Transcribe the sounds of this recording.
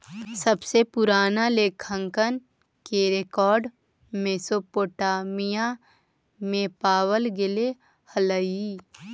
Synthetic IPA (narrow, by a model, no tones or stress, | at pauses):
səbsepʊɾaːnaleːkʰə̃ŋkən | keɾekɔːɾɖ | mesopoːʈaːmija | mẽpaːwəlɡɪle | hələi